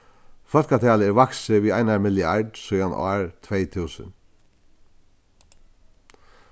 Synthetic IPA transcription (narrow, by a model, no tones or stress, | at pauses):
fœlkat̪ʰæːləʋɑksəʋiːæɪnɑmɪlɪɑɖsɔjɑnɔ̰ɹt̪ʰʋeɪt̪ʰʉːsə̰n